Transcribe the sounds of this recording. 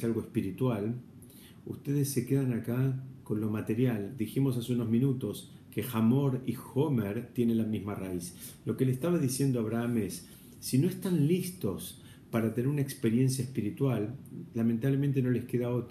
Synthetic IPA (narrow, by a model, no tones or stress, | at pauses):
alɣo̞espiɾit̪wal | ust̪e̞ðesːe̞keðanakako̞nlomat̪e̞ɾjald̪iximo̞saseuno̞zmĩnut̪o̞s | ke̞xamo̞ɾixomeɾt̪je̞nenlamizmaraislo̞ke̞lest̪aβaðisje̞nd̪oaβɾaame̞sː | ino̞est̪anlist̪o̞s | paɾat̪ene̞ɾunaekspeɾje̞ns̬jaespiɾit̪walːament̪aβlement̪eno̞le̞hkeðaot̪